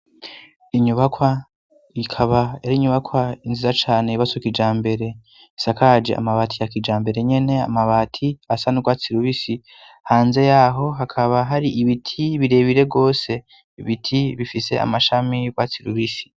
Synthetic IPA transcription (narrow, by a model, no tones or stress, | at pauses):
iɲuβakwa | ikʰaβaeɾiɲuβakwainzizat͡ʃaːne̞iβasokid͡ʒaːmbe̞ɾe̞ | isakad͡ʒḛa̰maβaːtʰijakid͡ʒaːmbe̞ɾe̞ɲe̞ne̞a̰maβatʰiasanuɡwaːt͡siɾuβisi | haːnze̞jaːɦo̞ɦakʰaβaɦaɾiʔiβitʰiβiɾe̞βiɾe̞ɡo̞ːse̞ | iβitʰiβifise̞̰a̰maʃamiɡwat͡siɾuβisi̥